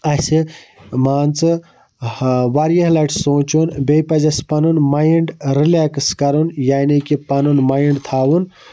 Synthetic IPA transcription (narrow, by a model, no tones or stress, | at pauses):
ɐsimaːnt͡sɨ | ʋaɾjɐɦlɐʈsõːt͡ʃunbejpɐd͡ʒɐspɐnunmajiɳɖɾileːkskɐɾunjaːnikipɐnunmaːjiɳɖt̪ʰaːʋun